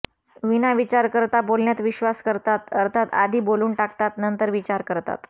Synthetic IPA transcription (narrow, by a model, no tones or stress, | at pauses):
ʋinaʋit͡ɕaɾkəɾt̪abolɳjat̪ʋiɕʋaskəɾt̪at̪əɾt̪ʰat̪a̰d̪ʱiːboluːɳʈak̚t̪at̪nənt̪əɾʋit͡ɕaɾkəɾt̪a̰t̪